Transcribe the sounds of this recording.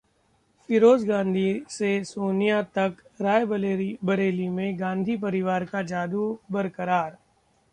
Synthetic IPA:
fɪɾoːd͡ʒɡãːnd̪ʱisesoːnijat̪ɐkɾaːjbebɐɽeːlimẽɡãːnd̪ʱipɐɾɪʋaːɾkad͡ʒaːd̪ubɐɾkəɾaːɾ

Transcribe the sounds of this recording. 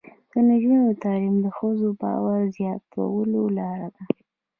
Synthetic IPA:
d̪̥ənaʒunot̪ɑlimd̪əxəzobɑ̰waɾzjɑt̪ʰa̰wəlolɑɾad̪a

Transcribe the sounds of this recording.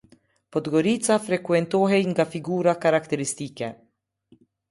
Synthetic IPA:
pɔt̪ɡɔɾiːt̪safɾɛkwɛnt̪oːɦɛiŋɡafiɡuːɾakaɾakt̪ɛɾɪst̪iːkɛn

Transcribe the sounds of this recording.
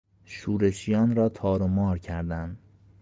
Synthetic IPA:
ʃuːɾe̞ʃijɒːnɾɒːt̪ʰɒːɾomɒːɾcʰæɾd̪ænd̪

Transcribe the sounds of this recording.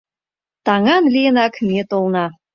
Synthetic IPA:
t̪ɑŋɑnlijənɑkmʲet̪olˠnɑ

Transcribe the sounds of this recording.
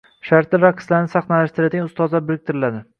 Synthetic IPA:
ʃaɾt̪ɪɾakʰslaɾnɪsaχnalaʃt̪ɪɾat̪ɪŋʲʊst̪ɒzabɪɾɪk̚ʲt̪ʰɪɾɪlad̪ɪ

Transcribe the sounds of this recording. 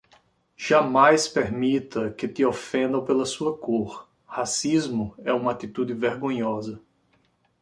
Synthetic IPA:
ʒ̥amajspeɾmit̪ɐkɪt̪ɪofẽnd̪ɐ̃w̃pelɐsuɐkoɾ | hasizmʊɛũmɐat̪it̪ud̪ɪveɾɡõɲɔzɐ

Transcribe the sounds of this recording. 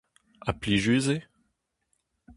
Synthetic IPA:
apliʒyze

